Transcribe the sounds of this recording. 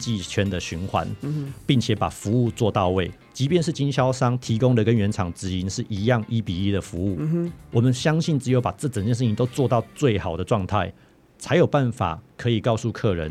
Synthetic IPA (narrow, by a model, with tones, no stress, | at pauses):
t͡ɕi˥˧t͡ɕʰɥɛ˥nd̪ə˨ɕy˧˥nxwa̰˧˦npi˥˩ŋt͡ɕʰjɛ˨˥˦pa̰˨˩fu˧˥u˥˧t͡swɔ˥˧t̪ɑ˥˧ʊwe˥˩ɪ | t͡ɕi˧˥pjɛ˥˧nʂ̬ɻ̩˥˩t͡ɕi˦˥nɕjɑ˥ʊʂɑ˥ŋt̪ʰi˧˥kʊ˥ŋd̪ə˨kə˦nɥɛ˧˦˥nʈ͡ʂʰɑ˨˩ŋʈ͡ʂɻ̩˨˩i˧˥nʂɻ̩˥˩ʔi˧˥jɑ˥˧ŋi˦˥pi˨˩i˦˥d̪ə˨fu˧˦u˥˩wɔ˨˩mə˨nɕjɑ˥ŋɕi˥˩nʈ͡ʂɻ̩˧˥jo˧˥ʊpa˨˩ʈ͡ʂɤ˥˩ʈ͡ʂə˨˩ŋt͡ɕjɛ˥˧nʂ̬ɻ̩˥˩t͡ɕʰi˨˦nt̪o˥ʊt͡swɔ˥˧t̪ɑ˥˧ʊt͡swe˥˩ɪxɑ˨˩ʊd̪ə˦ʈ͡ʂwɑ˥˧ŋt̪ʰa˥˩ɪ | t͡sʰa˧˥ɪjo˨˩ʊpa˥˨˩nfa̰˨˩kʰɤ˧˥i˨˩kɑ˥˧ʊsu˥˧kʰɤ˥˨ɻə̰˧˦n